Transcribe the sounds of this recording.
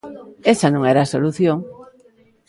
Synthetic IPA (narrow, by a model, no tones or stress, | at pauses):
esanõŋɛɾaːsoluθjoŋ